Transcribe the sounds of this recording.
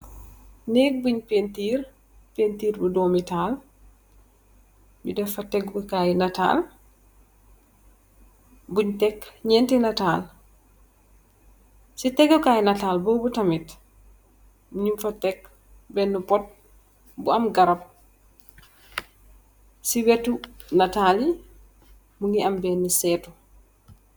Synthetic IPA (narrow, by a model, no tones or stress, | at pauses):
nɛːɡ̚buɲpentiːr | pentiːɾbudɔːmitaːl | bidɛfɐtɛɡbukaːjnɐta̰ːl | buɲtɛkːɲɛːntɛnɐtaːl | sitɛɡukajnataːlbɔːbutɐmit | muɲimfɐtɛk | bɛnːupɔt̚ | buɐmɡɐɾɐp̚ | siwɛtunataːli | muŋɡiɐmbɛnːisɛːtu